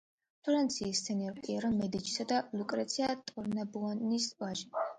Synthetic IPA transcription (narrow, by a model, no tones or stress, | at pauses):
pʰɔɾant̪sʰiːst̪sʰɛniɔɾpʼiɛɾɔmɛd̪it͡ʃʰi̥sad̪alukʼɾɛt̪sʰiat̪ʼɔɾnabuanisvaʒi